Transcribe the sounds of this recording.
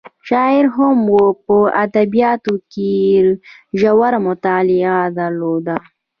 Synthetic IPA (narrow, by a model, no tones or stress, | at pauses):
ʃɑɪɾɦamwopəad̪abijɑt̪oke | ʒawaɾmʊt̪ɑlɪad̪aɾlod̪a